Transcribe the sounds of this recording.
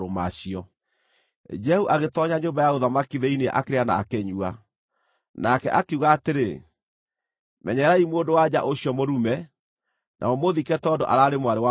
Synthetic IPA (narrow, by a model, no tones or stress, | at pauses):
omaɕiɔ | d͡ʒɛhuʔaɣetɔɲaɲoːmbajaoðamakiðɛinea̰ʔakeɾeana̰ːkɛɲua | nakɛ̰ʔakeuɣaːteɾe | mɛɲɛɾaimwodowad͡ʑaʔoɕiɔmoɾumɛ | nʔa̰ɔmoðikɛtɔdoʔaɾaːɾemwaɾewa